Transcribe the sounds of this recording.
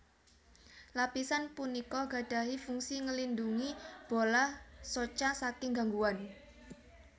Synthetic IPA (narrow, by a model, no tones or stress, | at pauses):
lapisanpunikɔɡa̤ɖ̥a̤ɦifuŋsiŋəlinduŋib̥olahsot͡ʃasakɪŋɡaŋɡuwan